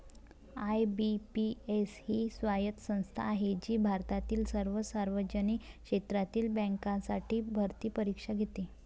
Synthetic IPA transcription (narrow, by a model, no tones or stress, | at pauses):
ajbipieshiːsʋajət̪sə̃w̃st̪ʰa̰ːɦed͡ʑiːbʱaɾt̪at̪iːlsəɾʋəsaɾʋəd͡ʑəniːkʂet̪ɾat̪iːlbə̃ŋkasaʈʰiːbʱəɾt̪iːpəɾikʂaɡʱet̪e